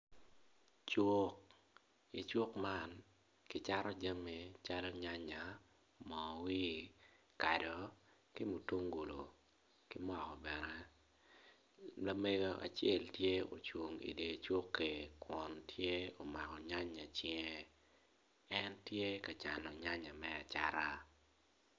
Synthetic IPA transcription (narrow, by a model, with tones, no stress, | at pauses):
t͡ʃʊ˦k̚ | i˨t͡ʃu˦kma˦n | kɪ˦t͡ʃa˦ɾɔ˦d͡ʒa˦me˨t͡ʃa˦lɔ˦ɲa˦ɲa˨ | mɔwi˦ | ka˨dɔ˨ | kɪ˦mu˨tu˦ŋɡu˨lo˨ | kɪ˦mwa˨kɔ˨bɛ˨nɛ˨ | la˨me˦ɡo˦ʔa̰˨t͡ʃjɛ˦˨ltje˦o̰˨t͡ʃwo˨ŋḭ˨de˨t͡ʃʊ˦kːe˨kwɔ˨ntʰje˦o˨ma˨kɔ˨ɲa˦ɲa˨t͡ʃɛ˦ŋe˦ | ɛ˦ntje˦ka˨t͡ʃa˨nɔ˨ɲa˦ɲa˨mɛ˦a̰˨t͡ʃa̰˦ɾa˦